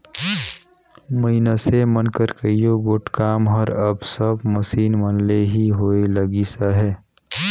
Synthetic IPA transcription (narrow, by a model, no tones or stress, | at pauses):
məinəsemənkəɾkəijoɡoʈkaːmɦəɾəbsəbməsiːnmənleɦiɦoːeləɡisaɦɛː